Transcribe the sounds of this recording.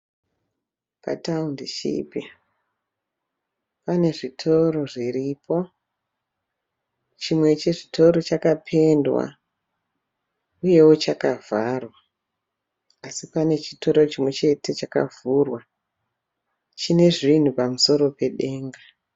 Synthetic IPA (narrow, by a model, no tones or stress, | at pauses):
pa̰taundiʃḭpi | pane̞ʐitʰo̞ɾo̞ʐiɾipo̞ | t͡ʃimwe̞t͡ʃeʐitʰo̞ɾo̞t͡ʃakapʰe̞ndwa̰ | uje̞wo̞t͡ʃakavarwa | sipane̞t͡ʃito̞ɾo̞t͡ʃimwe̞t͡ʃe̞te̞t͡ʃaka̰vurwa | t͡ʃine̞ʐin̤upamuso̞ɾo̞pe̞ɗe̞ːŋɡa